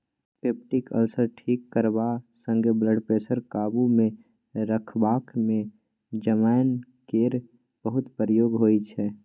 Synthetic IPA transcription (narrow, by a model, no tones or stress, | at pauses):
peːp̚ʈikə̰lsəɾʈʰiːkːəɾbasə̃ŋɡebləɖpeːsəɾkaːbumẽ | ɾəkʰbaːkmẽ | d͡ʒəmaːɪnkeːɾ | b̥əɦʊt̪pəɾəjoːɡɦoːit͡ʃʰɛː